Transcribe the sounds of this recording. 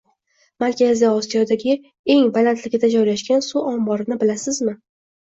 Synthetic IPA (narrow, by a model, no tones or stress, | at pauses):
maɾkʲaziɒsijɒd̪aɡʲɪ | e̞ŋbalant̪ʰlɪɡʲɪd̪ad͡ʒɒjlaʃkʲansuʔɒmbɒɾɪnɪbɪlasɪzmɪ